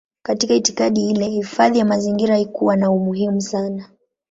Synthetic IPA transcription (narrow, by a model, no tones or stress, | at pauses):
katikaiti̥kaɗihilɛhifaðijamaziŋɡiɾaikuwanaumuɦimusana